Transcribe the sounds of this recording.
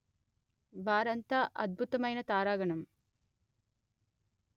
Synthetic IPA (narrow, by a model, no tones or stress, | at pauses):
bʱaːɾɐnt̪aːʔɐd̪̚bʱut̪ɐmɐjnɐt̪aːɾaːɡɐɳɐm